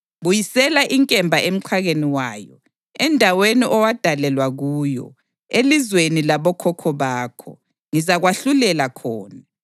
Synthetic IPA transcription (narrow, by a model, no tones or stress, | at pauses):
βujisɛlaʔiŋkʼɛmbʱaʔem̩ǀʰwaɣeniwaːjɔ̰ | ɛndʱaweniʔɔwad̥ʱalɛlwaɣuːjɔ̰ | elizwenilaβɔkʰɔkʰɔβaːkʰɔ̰ | ŋizaɣwaɬulɛlakʰɔːna